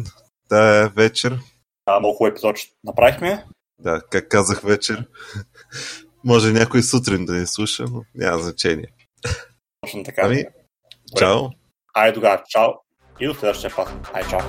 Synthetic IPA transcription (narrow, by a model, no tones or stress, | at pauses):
d̪̥avɛt͡ʃɛɾ | amolˠkuɛpi̥zɔt͡ʃ | nɐpɾavixmɛ | d̪akakːazəxvɛt͡ʃɛɾ | mɔʒɛnʲakoisut̪ɾind̪ɐnislˠuʃənonʲʔa̰mɐznɐt͡ʃɛnḭɛ | t̪ɔt͡ʃnot̪ɐkami | ɾaw | ajd̪ʊɡat͡ʃaw | id̪oslɛd̪əʃt̪iɐpasajt͡ʃaw